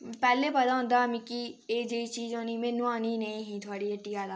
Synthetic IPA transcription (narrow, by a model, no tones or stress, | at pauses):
pɛːlepɐd̪aɦõnd̪amɪ̃kieːd͡ʒeit͡ʃiːd͡ʒonimẽnʊaːninɐĩɦĩt̪ʰoaːɽiɐʈːiaːla